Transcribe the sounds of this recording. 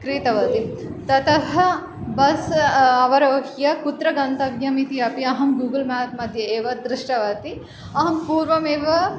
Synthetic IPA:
kɾiːt̪ɐʋɐt̪it̪ɐt̪ɐɦɐ | bɐsɐʋɐɾɐɐɦjɐkut̪ɾɐɡɐnt̪ɐʋjɐmit̪iɐpiɐɦɐmɡuːɡɐlmaːt̪̚mɐd̪ʱjɐeːʋɐd̪ɾɪʂʈɐʋɐt̪i | ɐɦɐmpuːɾʋɐmeːʋɐ

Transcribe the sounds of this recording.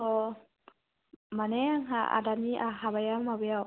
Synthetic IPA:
ɔ | manɛaŋɦa̰a̰daniʔaɦaβajammabɯjaw

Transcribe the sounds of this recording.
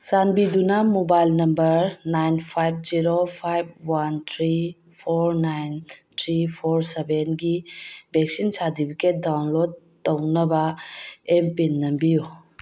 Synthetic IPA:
sanbidunɐmobajlnɐmbɐɾnajnpʰajb̚ziɾopʰajb̚want̪ʰɾi | pʰoɾnajntʰɾipʰoɾsebenɡibek̚sinsadipʰiket̚dawnlod̚ | tːɐwnɐbɐempinːɐmbiju

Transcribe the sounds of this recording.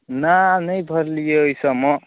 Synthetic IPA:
nanʌjbʱʌɾlijeːjsʌmʌ

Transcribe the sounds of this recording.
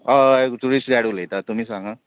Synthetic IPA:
ʌekʈuɾisʈɾaɽulejt̪ʌt̪umisʌŋʌ

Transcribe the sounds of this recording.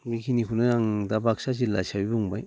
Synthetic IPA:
bikʰinikʰunɯjaŋdabak̚sas̬ila̰jsabibɯŋbaj

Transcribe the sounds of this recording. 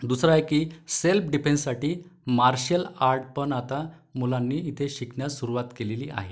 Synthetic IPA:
d̪usɾaekiːselpɖipenssːaʈiːmaɾɕjəlaɾʈ̚pəɳat̪a | mulanːiːt̪ʰeɕiknjasuɾuʋat̪keleliːʔa̰ɦe

